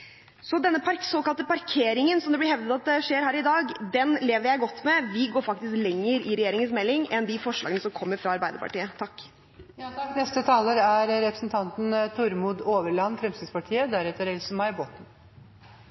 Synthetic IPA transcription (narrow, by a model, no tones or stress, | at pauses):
sɔd̪ɛnːəpsoːkɑlt̪əpɑɾkʰeːɾɪŋənsɔmd̪ɛb̪lɪɾhɛʋd̪ət̪ɑt̪̚d̪ɛʂeːɾɦæːɾɪd̪ɑːɡd̪ɛnleːʋəɾjæɪɡɔt̪ːmɛʋɪɡoːɾfɑk̚t̪ɪsklɛŋːəɾɪɾɛjeːɾɪŋənsmɛlːɪŋɛnd̪ɪfɔʂlɑ̰ɡənəsɔmkʰɔmːəɾfɾɑɑɾbæɪd̪əɾpɑ̰ʈiːət̪ʰɑkː | j̪nɛst̪ət̪ʰɑːləɾæɾɾɛpɾəsnt̪ʰɑnt̪ən̩t̪ʰʊɾmuːd̪oːʋəɭɑnːfɾɛmsɪspɑʈʰiːəd̪æɾɛt̪əɾɛlsənmɑɪbot̪n̩